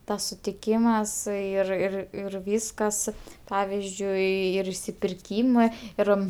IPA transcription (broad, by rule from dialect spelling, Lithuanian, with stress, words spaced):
ˈtɐs sʊtʲɪˈkʲiːmɐs ɪr ɪr ɪr ˈʋʲiːskɐs ˈpɑːʋʲɪzʲd͡ʒʲʊɪ ɪr ɪʃʲsʲɪpʲɪrʲˈkʲiːmɜ ˈɪr